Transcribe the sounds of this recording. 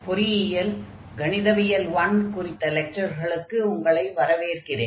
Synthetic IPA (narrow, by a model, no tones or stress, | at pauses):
pʊɾɪjɪjɐl | ɡɐnɪðɐʋɪjɐlʋɐnkʊrɪt̪ːɐlɛk̚t͡ʃɐɾɣɐɭɯkːɯʊŋɡɐɭɐɪʋɐɾɐʋeːrkɪrḛː